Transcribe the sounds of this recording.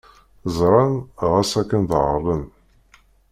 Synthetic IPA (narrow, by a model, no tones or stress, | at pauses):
zˤɾˤɑnʁæsækːənðʕə̰ɾˤən